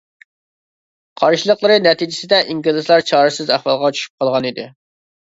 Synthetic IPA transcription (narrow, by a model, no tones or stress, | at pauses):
qʰɑɾʃilˠəqlˠɨɾɨnɛt̪ʰid͡ʒɪsɪd̪ɛʔiŋɡlˠɪzlˠɑɾt͡ʃʰɑːɾɨsɪzæhwɑlˠʁɑt͡ʃʰy̥ʃy̥p̚qʰɑlˠʁɑnid̪ɪ